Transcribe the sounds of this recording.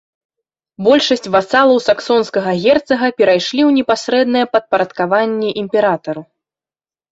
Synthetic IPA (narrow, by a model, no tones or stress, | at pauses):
bɔlʲʂɐsʲt͡sʲvasalˠɐwsaksɔnskɐɣɐɣʲɛrt̪sɐɣɐpʲɛɾajʂlʲiwnʲɛpasɾɛd̪nɐjɛpɐt̪̚pɐɾɐt̪kavanʲːɛʔimʲpʲɛɾat̪ɐɾu